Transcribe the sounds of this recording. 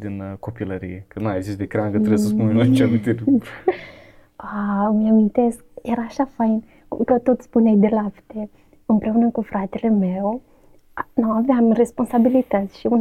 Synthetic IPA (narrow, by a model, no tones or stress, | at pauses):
d̪inkopilɐɾḭjekəneɡzist̪̚d̪ekɾaŋɡət̪ɾesəspunenot͡ʃamint̪elʲ | amiamint̪esk̚eɾɐaʃafajn | kukət̪ot̪spunejd̪elapt̪e | ɨmpɾeunəkufɾʔat̪elemew | nãwaveamrespõnsabilit̪aʃiun